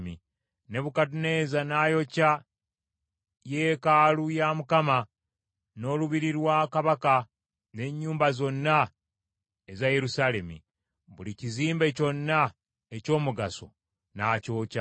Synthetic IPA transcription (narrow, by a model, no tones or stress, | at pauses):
mi | ne̞βukatune̞ːzanajo̞ca | jekalujamukama | no̞ːluβiɾiɾwaːkaβaka | ne̞ɲːuːmbazo̞nːa | ezaje̞ɾusale̞mḭ | βuliciziːmbe̞co̞nːa | eco̞ːmuɡaso̞̰ | naːco̞ːca